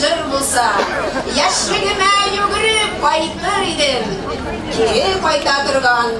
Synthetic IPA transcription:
ɤɾbulˠsɑjæʃlɘ̆nɘ̆mæjʉɡɘ̆ɾɘp̚qɒjt̪ːɑɾid̪ɘm | uɾɘqɒjt̪ɑt̪ŏɾʁɑn

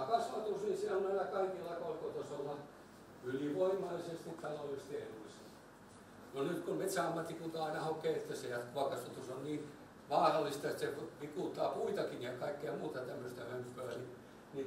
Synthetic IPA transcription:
ɑkɑsʋɑt̪usnisionɑilækɑikilːɑkorkot̪osolːɑ | yliʋoimːˑɑlisest̪it̪t̪ɑlolːˑist̪ielulːise | nonyt̪kummet̪sæɑmːɑt̪ːikunt̪ɑɑinɑhokeːet̪ːæsejɑt̪koɑkɑsʋɑt̪usonniːn | ʋɑːrɑlːˑist̪ɑet̪seʋikuˑt̪ːɑːpuit̪ɑkinjɑkɑikːeɑmuːt̪ɑt̪æmːøst̪æhømpːøæni | ni

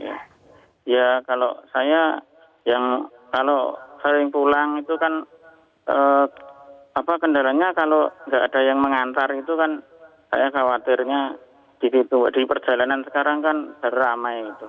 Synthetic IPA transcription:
ja̰ | jakalosaja | jaŋ | kalosəlɪŋpulaŋit̪ukan | ʔə | apakəndalaɲakaloŋɡaʔad̥ajaŋməŋant̪arit̪ukan | sa̰jakawat̪ɪrɲa | d̥itit̪uŋɡa̰ʔdipərd͡ʒalanansə̥kaɾaŋkanb̥aɾuramajit̪u

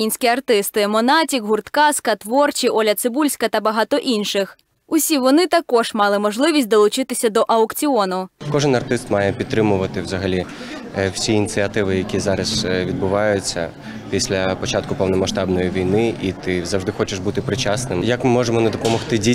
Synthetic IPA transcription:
inʲsʲkʲiɐrt̪ɪst̪ɪmɔnɑtʲikɦʊrt̪kɑskɐt̪ʋɔrt͡ʃiʔɔlʲɐt̪sɪbulʲsʲkɐt̪ɐbɐɦɑt̪ɔʔinʃɪx | ʊsʲiʋɔnɪt̪ɐkɔʒ̥mɑlˠɪmɔʒlˠɪʋʲisʲt̚ʲd̪ɔlˠʊt͡ʃɪt̪ɪsʲɐd̪ɔʔɐʊkt͡sʲiɔnʊkɔʒɪnɐrt̪ɪst̪mɑjɛpʲid̪t̪ːɾɪmʊʋɐt̪ɪwzɐɦɐlʲi | wsʲinʲit͡s̪ʲsʲiɐt̪ɪʋɪjɐkʲizɑɾɐz̥ʋʲid̪bʊʋɑjʊt͡sʲːɐ̰ | pʲisʲlʲɐpɔt͡ʃɑt̪kʊpɔwnɔmɐʃt̪ɑbnɔjiʋʲijnɪʔit̪ɪzɐwʐd̪ɪxɔt͡ʃɪʃbut̪ɪpɾɪt͡ʃasnɪmjɐkmɪmɔʒemɔnɛd̪ɔpɔmɔxt̪ɪdʲi

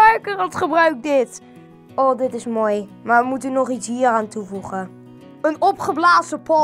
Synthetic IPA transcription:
ɛkərəltχəbraɥk̚dɪt | odɪtɪsmojmaʋəmutənɔχitsɦiːəraːntʰufuχə | ənɔpχəblaːsəpʰɔ

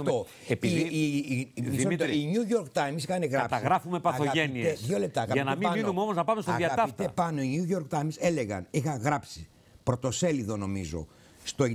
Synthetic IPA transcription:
o | eii | isot̪iɲuʝoɾkt̪ɐjemsixɐneɣɾɐpt̪ɐɣɾɐfumepɐθoɐeniesðʝo̞le̞p̚t̪ɐːɣɐiɐnɐɐemɐninumeo̞moznɐpɐmest̪oɐðiɐɐt̪ɐit̪epɐno̞iɲuʝoɾkt̪ɐjmse̞leɣɐ̰nixɐŋɣɾɐpsi | pɾo̞t̪o̞se̞liðo̞no̞mḭzo̞̰ | st̪o

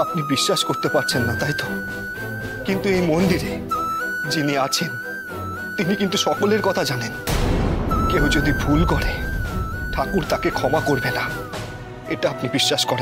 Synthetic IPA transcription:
apnibiʃːaʃkoɾt̪epaɾt͡ɕʰenːat̪aɦit̪o | kint̪uejmond̪iɾe | d͡ʑiniat͡ɕʰen | t̪inikint̪uʃɔkoleɾkɔt̪ʰad͡ʑanen | kewd͡ʑod̪ibʱulkɔɽe | ʈʰakuɾt̪akekʰɔmakoɾbena | eʈaapnibiʃːaʃkɔɾen

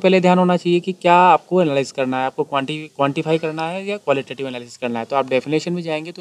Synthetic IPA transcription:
pɛɦled̪ʱjaːnɦoːnat͡ʃaːɦiekikjaːaːp̚koɛnaːlaːɪzkɐɾnaɦɛaːp̚kokwãɳʈikwãːɳʈifʰaːikɐɾnaɦɛjakʋaːlɪʈeːʈɪʋɛnaːlɪsɪ̥zkɐɾnaɦɛt̪oaːp̚ɖɛfɪneːʃənbẽd͡ʒaːẽːŋɡet̪o

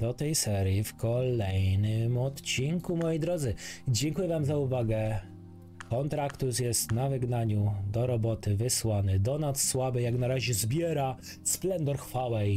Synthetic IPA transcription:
d̪ɔt̪ɛjsɛɾʲjifkɔlɛjnɘmɔt̪t͡ɕiŋkumɔjɛjd̪ɾɔd̪zɘd͡ʑɛŋkujɛvamzauvaɡɛ | kɔnt̪ɾakt̪usjɛst̪navɘɡnaɲud̪ɔɾɔbɔt̪ɘvɘswanɘd̪ɔnasswabɘjaknaɾaʑɛzbʲjɛɾa | splɛnd̪ɔɾxfawɛj

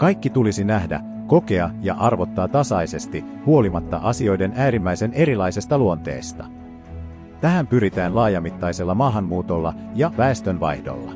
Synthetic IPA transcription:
kɑjkːit̪ulisinæɦdæ̰ | ko̞ke̞ɑjɑ̰ʔɑrʋo̞t̪ːɑːt̪ɑsɑjse̞st̪ihuo̞limɑt̪ːɑ̰ʔɑsio̞jde̞næːɾimːæjse̞ne̞ɾilɑjse̞st̪ɑluo̞nt̪e̞̰ːst̪ɑ̥ | t̪æɦæmpyɾit̪æːnlɑːjɑmit̪ːɑjse̞lːɑmɑːɦɑmːuːt̪o̞lːɑ̰jɑʋæest̪ø̞nʋɑ̰jhdo̞̰lːɑ̰

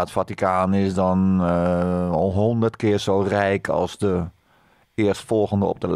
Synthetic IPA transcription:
ətfatikʰaːnɪsdɔn | ɦɔndərtkɪːrsoːrɛjkʰɑ̰lˠsdə | ɪərstfɔlˠɣəndəɔ̰p̚dəl

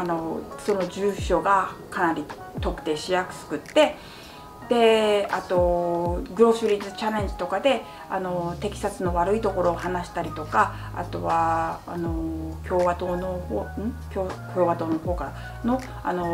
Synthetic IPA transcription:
ano̞so̞no̞ʑɨːɕo̞ɡakanaɾʲi | t̪o̞kɯ̟̥t̪e̞ːɕijakɯ̟̥sɨ̥kɯ̟t̪ːe̞ | d̪̥e̞at̪o̞ɡɯ̟ɾo̞ːɕɨɾʲit͡sɨt͡ɕaɾẽ̞ɲ̟d͡ʑi̥t̪o̞kad̪e̞ | ano̞t̪e̞kʲi̥sat͡sɨnoβaɾɯ̟it̪o̞ko̞ɾo̞ːɦanaɕi̥t̪aɾʲit̪o̞ka | a̰t̪o̞βa̰ːno̞kʲo̞ːβat̪oːno̞hoːɯ̟̃ɴkʲokʲo̞ːβat̪o̞ːnoho̞ːka | no̞ | a̰no̞

